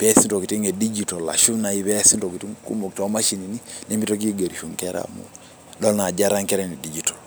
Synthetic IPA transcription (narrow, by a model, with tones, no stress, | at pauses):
pɛ˦si˦nto˨ki˨ti˦ŋe˨di˦d͡ʒi˨tɔ˨la̰˨ʃu˦na˨i˦βɛ˦si˦to˨ki˨ti˦ŋkṵ˦mo˨k̚tɔ˨˦ma˦ʃi˨ni˨ni˦ne˦mi˦to˦k̬i˦ɡe˨ɾi˨ʃu˨ŋkɛ˦ɾa̰˨mṵ | dɔ˦lna˨d͡ʒa˦ɾa˦ŋkɛ˦ɾɛ˦ni˨di˦d͡ʒi˦tɔ̥˨l